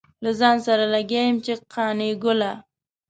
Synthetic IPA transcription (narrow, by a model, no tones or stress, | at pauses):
lazɑnsaɾalaɡejɪmt͡ʃeqʰɑneɡʊla